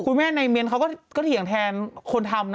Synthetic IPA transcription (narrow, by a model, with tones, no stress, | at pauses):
kʰu˧nmɛː˥˩na˧jme˧nkʰa˦˥wkɔː˥˩kɔː˥˩t̪ʰi˨˩ə˦ŋt̪ʰɛː˧nkʰo˧nt̪ʰa˧mn